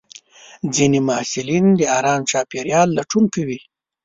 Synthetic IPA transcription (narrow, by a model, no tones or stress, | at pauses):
d͡zinemaasɪlind̪əaɾɑːmt͡ʃɑːpeɾjɑlːaʈuŋkawi